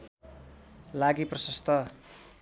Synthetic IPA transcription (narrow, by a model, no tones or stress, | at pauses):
laɡiprʌsʌst̪ʰʌ